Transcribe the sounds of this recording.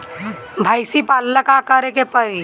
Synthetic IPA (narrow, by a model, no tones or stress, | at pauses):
bʱajsipaːlləkakəɾekepəɾi